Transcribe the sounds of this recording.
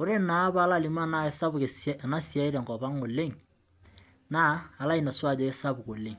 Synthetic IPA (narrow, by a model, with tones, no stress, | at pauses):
o˦ɾe˦na˨˦ba˦la˦˨li˨ma˦na˦sa˦bke˨sna˦sja˨˦ɪ˦ɾɛ˨ŋkɔ˨ba˦ŋo˨le˦ŋ | naː˦˨la˦i˨na˨swa˦˨d͡ʒɔ˨ɪ˦sa˦bko˨le˨ŋ